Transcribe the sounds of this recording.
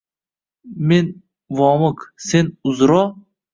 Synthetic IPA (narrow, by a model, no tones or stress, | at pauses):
men | vɒmʊksenʊzɾɒ